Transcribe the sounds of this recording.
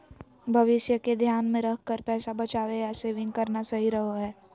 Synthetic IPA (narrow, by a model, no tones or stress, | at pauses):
bʱɐʋɪʃjəked̪ʱjaːnmẽɾɐkʰkəɾpɛːsabɐt͡ʃaːʋejaseːʋɪ̃ŋɡ̚kɐɾnasɐɦiɾɐɦoɦɛː